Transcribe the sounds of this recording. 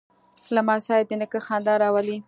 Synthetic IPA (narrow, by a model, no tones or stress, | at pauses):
lamɑsɑjd̪ənəkəxɑnd̪ɑɾɑwali